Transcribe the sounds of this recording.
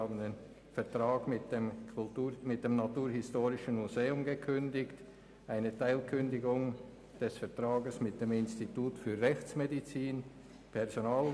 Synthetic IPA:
aːbənen | fɛɐtʁ̥aːɡmɪtd̥emʊlumɪt̚d̥emnatuːɾɦɪstoːʁɪʃən̩muzeːʊmɡəkʰʏndɪçt | ʔaɪnətʰaɪlkʰʏndɪɡʊŋ | d̥ɛsfɛɐtʁaːɡəsmɪt̚d̥emɪnstituːtfyːɐʁɛçt͡smedit͡siːn | pʰɛʁzonaːl

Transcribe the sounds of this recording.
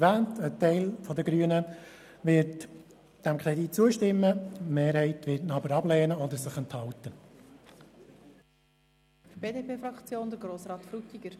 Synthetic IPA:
ʋæːntʰətɛɪlfɔdəɡɾyːənə | ʋɪɾt | d̥æmkʰɾɛdit̚t͡suəʃtɪmːəmeːɾhɛɪtʋɪtnɑbəɾɑblɛːnəɔd̪əɾsɪχənthɑlt̪ə | b̥eːdepʰeːfɾɑkt͡sjoːnd̪əɾɡɾoːsɾɑːt̪fɾutiɡ̥əɾ

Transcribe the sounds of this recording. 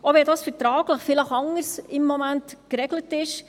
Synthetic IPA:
oʋɛdɑːsfətɾɑːɡləχfɪləχɑŋəɾsɪmːɔmæntkɾɛɡlətɪʃ

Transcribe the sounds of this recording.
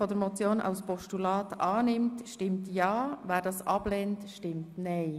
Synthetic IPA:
fɔdəɾmɔt͡sjoːnʔɑ̰ʊspɔʃtulɑːtʔɑːnɪmtʃtɪmtjɑːvæːɾdɑːsɑb̥lɛːntʃtɪmtnɛɪ

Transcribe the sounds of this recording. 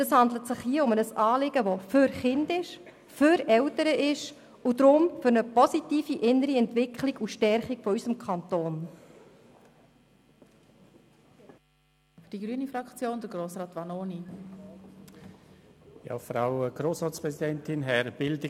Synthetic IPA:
d̥əshɑndlətsɪχhiəʊmənəsɑːlɪɡəʋoføɾχɪndɪʃ | føɾɛltəɾəʔɪʃ | udɾʊmfʏɾnəpɔsitiːfiʔɪnːəɾiɛntvɪkχlɪɡuʃtɛɾχɪkfɔysəmkʰɑntoːn | fd̥iɡɾyːənifɾɑkt͡sjoːnd̥əɾɡɾoːsɾɑːt̪ʋɑnoːni | jɑ̰ːfɾaʊɡ̥ɾoːsɾɑːtt͡spɾɛsidɛntɪnɦɛɾb̥ɪldɪ

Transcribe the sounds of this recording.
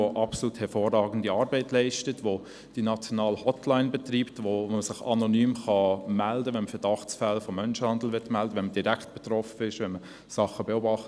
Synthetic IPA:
oʔɑpsoluːthɛɾfoːrːɑːɡən̩diɑːɾbɛɪtlɛɪʃtətʋo | d̥inɑt͡sjɔnɑːlhɔtlaɪnbɛt̪riːptʋoməsɪχɑnonyːmχɑmældəʋɛnməfɛdɑχt͡sfɛlfɔmːœnʃhɑnd̪l̩ʋɪtmældəʋɛnməd̥iɾækt̚b̥ɛt̪rɔfəɪʃʋɛnmə | sɑχəbeobɑχt

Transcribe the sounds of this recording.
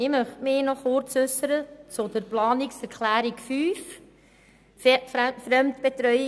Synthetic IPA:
ɪmœχtmɪːnɔχʊɾt͡sʏsəɾət͡sʊd̥̪əɾplɑːnɪksɛɾkʰlæːɾikfyːf | fɾɛmt̪b̥et̪ɾœj

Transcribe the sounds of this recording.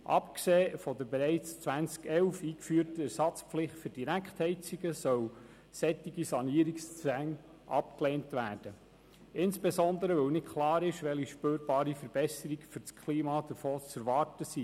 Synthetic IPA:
ʔɑ̰pkseːfɔd̪əɾbeɾɛɪt͡st͡sʋænt͡skɛwfiːkfyːɾtəæɾsɑt͡spflɪχtfʏɾd̥iɾækχthɛɪt͡siɡəsœw | sɛtːiɡisɑniəɾikst͡sæŋ | ʔɑ̰p̚kleːntʋæːrd̥ə | ɪnsb̥esɔnd̪əɾəʋɵwnɪtkχlɑːɾɪʃʋɛliʃpøːɾb̥ɑːɾifəɾbɛsəɾiɡfʏɾt͡skʰliːmɑd̥̪əɾfoːt͡sɛɾʋɑrtəsiː

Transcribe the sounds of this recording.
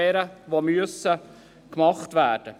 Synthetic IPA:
ɛːɾəʋomyəsə | kmɑχtvæːɾd̥ə

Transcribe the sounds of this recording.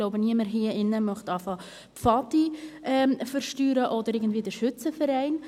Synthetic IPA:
ɡ̥loʊbəniəməɾɦiəɪnːəmœχtɑfɑ | pfɑtiʔɛːmfəɾʃtyːɾəʔɔdəɾɪːɡən̩dviːdəɾʃʏt͡səfɛɾɛɪn

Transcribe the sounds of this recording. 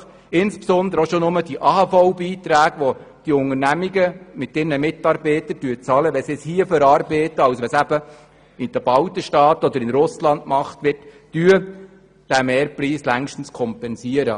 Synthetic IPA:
ɪnspsɔnd̪əɾoʃonʊməd̥iʔɑːhɑfɔʊbiːt̪ɾæːɡʋo | d̥iʊŋərnæmiɡəmɪtːɪɾnəmɪtɑɾbɛɪtəɾdyːət͡sɑːləʋɛsɪshiəfœɾɑːɾbɛːtəɑwsʋɛsæb̥ə | ɪnd̥̪əb̥ɑwtəʃtɑːt̪ɔd̪əɾɪnɾʊslɑndmɑχtʋɪtː | yːə | d̥æmeːɾpriːslæŋʃtn̩skʰɔmpɛnsiəɾə

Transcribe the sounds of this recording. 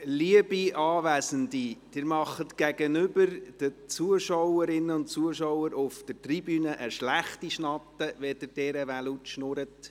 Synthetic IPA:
liəbiɑːʋæsəndid̥ɪːɾmɑχːət̪ɡ̥æɡənʏbəɾd̥ət͡suəʃɔwəɾɪnːəʊntt͡suəʃɔwəɾʊfd̥ətribyːnəʔəʃlæχtiʃnɑt̪ːəʋɛdəɾd̥ɛɾəʋælutʃnʊɾət

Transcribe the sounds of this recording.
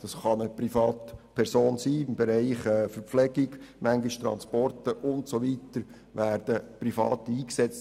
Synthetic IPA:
d̥ɑsχɑnəprifɑːtpʰɛɾsoːnsiːɪmbeɾɛɪχɛːfəɾpflɛɡɪɡmæŋɡiʃt̪ɾɑ̰nspɔɾtəʔʊntsoʋitəɾ | ʋæːɾd̥əprifɑ̰ːtiːksɛt͡st

